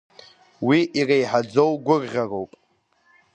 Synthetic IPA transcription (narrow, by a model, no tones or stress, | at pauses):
wiʔirajħad͡zowɡʷʊrʁʲarowpʼ